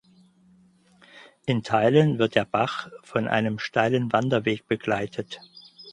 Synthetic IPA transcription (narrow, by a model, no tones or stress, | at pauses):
ʔɪntʰaɪlənvɪɐt̚d̥eːɐb̥aχfɔnʔa̰ɪnəmʃtaɪlənvandɐveːk̚b̥əɡlaɪtʰət